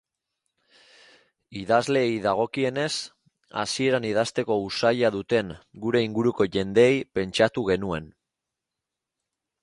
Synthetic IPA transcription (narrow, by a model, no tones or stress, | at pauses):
iðazle̞ːjðaɣ̞o̞kie̞ne̞s | a̰sie̞ɾaniðast̪e̞ko̞usajaðut̪e̞ŋɡuɾe̞iŋɡuɾuko̞ʝe̞nd̪e̞ːjpe̞nt͡ʃat̪uɣe̞nue̞̰n